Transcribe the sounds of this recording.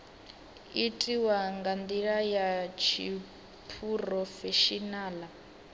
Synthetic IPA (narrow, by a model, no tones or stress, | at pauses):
itʼiwaŋɡand̪iɺajat͡ʃʰi | pʰurɔfɛʃinaːla